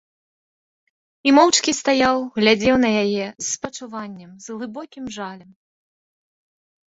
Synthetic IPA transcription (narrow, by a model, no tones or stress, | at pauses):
imɔwt͡ʂkʲist̪ajawɣlʲad͡zʲɛwnɐjajɛsːpɐt͡ʂuvanʲːɛmzɣlˠɨbɔkʲimʐalʲɐm